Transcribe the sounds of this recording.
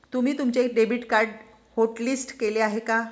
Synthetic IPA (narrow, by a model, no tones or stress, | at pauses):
t̪um̤iːt̪umt͡ɕeːkɖebiʈkaɾɖ | hoʈlisʈkeleaɦeka